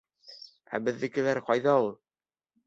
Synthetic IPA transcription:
æ̰bɘ̆ðːɘ̆kɘ̆læɾqɑjðɑulˠ

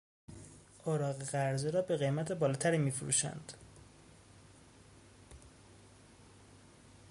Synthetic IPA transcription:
ʔoɾɒːɣeɣæɾzeɾɒːbe̞ɣejmæt̪ʰebɒːlɒːt̪ʰæɾiːmiːfuɾṵːʃæ̰nd̪̥

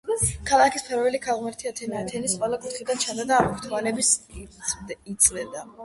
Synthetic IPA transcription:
kʰalˠakʰispʰɛɾvɛlikʰalˠʁmɛɾt̪ʰiat̪ʰɛnat̪ʰɛnisqʼɛlˠakʼut̪χid̪ant͡ʃʰand̪ad̪aːmɔkʰt̪ʰvanɛbis | it̪sʼlɛd̪a

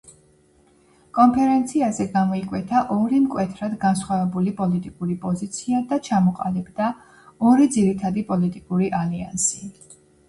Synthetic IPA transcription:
kʼɔmpʰɛɾɛnt̪sʰiazɛɡamɔikʼwɛt̪ʰaʔɔɾimkʼwɛt̪ʰɾad̪ɡansχwavɛbulipʼɔlit̪ʼikʼuɾipʼɔzit̪sʰiad̪at͡ʃʰamɔqʼa̰libd̪a | ɔɾid̪ziɾit̪ʰad̪ipʼɔlit̪ʼikʼuɾiʔalia̰nsi

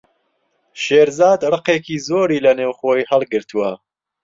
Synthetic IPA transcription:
ʃeːɾzɑːd̪rɨqekiːzoːɾiːlɐneːwxoːjhɐlˠɡɨɾt̪ʰuwɐ

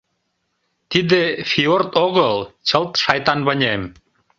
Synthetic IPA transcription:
t̪id̪efiort̪oɣəlt͡ɕəlˠt̪ʃɑjt̪ɑnβə̆nʲem

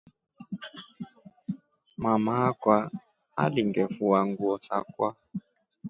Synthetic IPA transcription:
mamakwa | a̰liŋɡɛfuwaŋɡuɔsa̰kwa

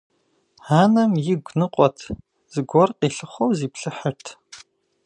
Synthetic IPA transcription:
haːnɐmjɪɡʷnɨqʷʼɔtʰ | z̥ɨɡʷɔrqiːɬɨχʷɔwziːpɬɨħɐtʰ

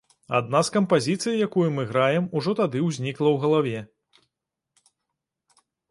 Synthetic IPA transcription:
a̰d̪̚naskɐmpazʲit̪sɨjjakujumɨɣɾajɛmuʐɔt̪ad̪ɨwzʲnʲiklˠɐwɣɐlˠavʲɛ

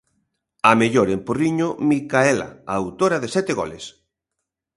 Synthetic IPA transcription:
ɐmeʎoɾemporiɲomikaɛla̰aːwt̪oɾɐðesɛt̪eɣo̰lḛs

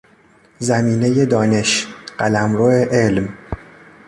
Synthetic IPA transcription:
zæmiːne̞je̞d̪ɒːne̞ʃɢ̥ælæmɾoeʔelm

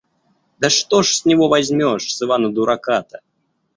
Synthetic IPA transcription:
d̪ɐʂt̪ɔʂsʲnʲivɔvazʲmʲɔʂsɨvanɐd̪uɾakat̪ɐ

